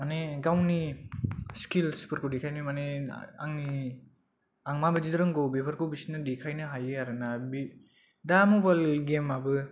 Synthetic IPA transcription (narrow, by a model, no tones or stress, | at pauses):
maneɡawni | skilspʰɯɾkʰodikʰajnimanḛaŋni | aŋmabɯd͡ʒidɯɾɯŋɡowbepʰaɾkɯwbisinɯdikʰajnɯɦajɯaɾɯnabi | damobajlɡemabɯ